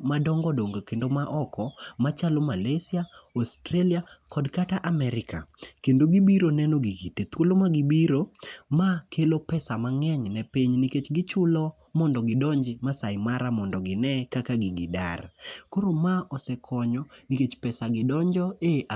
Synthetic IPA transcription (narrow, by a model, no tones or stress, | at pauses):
madɔŋɡɔdoŋɡokendomaʔɔkʰɔmat͡ʃalomalesjaostɾeliakʰɔdkataʔamɛɾɪka̰kendoɡibiɾonɛnoɡikitet̪wolomaɡibiɾomakʰelopɛsamaŋɛɲnɛpiɲniket͡ʃɡɪt͡ʃʊlɔ | mɔndɔɡɪdɔɲd͡ʒɪmasajɪmaɾamɔndɔɡɪnɛkakaɡɪɡɪda̰rkoɾomaʔɔsɛkʰɔɲɔniket͡ʃpɛsaɡɪdɔɲd͡ʒɔeʔa